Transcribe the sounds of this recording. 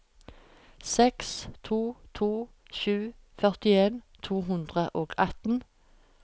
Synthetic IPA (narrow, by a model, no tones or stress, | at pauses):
sɛkst̪ʰuːt̪ʰuː | ʃʉː | fœʁt̪ɪeːn | t̪ʰuːɦʉnd̪ʁəʔoːɡɑt̪n̩